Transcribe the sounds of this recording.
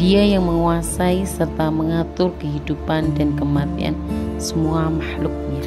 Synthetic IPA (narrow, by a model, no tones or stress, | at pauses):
d̥iajaŋməŋuasaisərt̪aməŋat̪ʊrkəɦidupandankəmat̪ḭa̰nsəmuamahlʊk̚a